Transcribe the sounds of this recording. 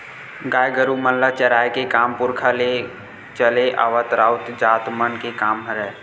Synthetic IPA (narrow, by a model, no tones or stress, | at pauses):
ɡajɡəɾuməllət͡ʃəɾajkekampuɾkʰale | t͡ʃəleʔa̰ʋət̪ɾaut̪d͡ʒat̪mənkekaːmɦəɾɛː